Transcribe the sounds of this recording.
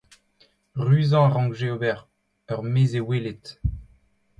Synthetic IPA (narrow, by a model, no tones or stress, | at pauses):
ʁyːzɑ̃aʁɑ̃ʒeobɛʁ | œʁmeːzewelet̪